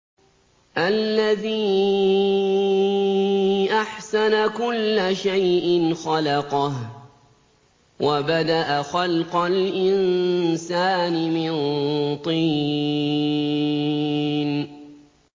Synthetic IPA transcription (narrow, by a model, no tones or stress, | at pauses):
ʔalːaðiː | ʔaħsanakʊlːaʃajʔɪnxɑlɑqɑh | wʔabad̪aʔaxɑlqɑlʔɪnsaːnɪmɪnt̪ˤiː | n